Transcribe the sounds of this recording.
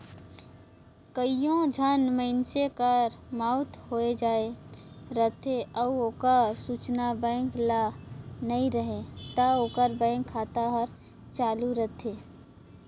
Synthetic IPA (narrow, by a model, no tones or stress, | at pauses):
kəijõd͡ʒʱənməɪnsekəɾmaʊt̪ɦoed͡ʒae | ɾət̪ʰeəuoːkəɾsut͡ʃnabə̃ɪ̃ŋklanəiɾəɦet̪əoːkəɾbə̃ɪ̃ŋkʰːat̪aɦəɾ | t͡ʃaːluɾət̪ʰe